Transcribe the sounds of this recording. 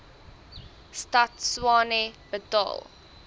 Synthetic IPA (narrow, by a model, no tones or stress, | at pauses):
stɐtswɑːneb̥ətɑ̰ːlˠ